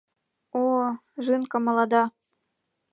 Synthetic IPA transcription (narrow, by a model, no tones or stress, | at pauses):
oʒɨnkɤ̆mɑ̆lˠɑd̪ɑ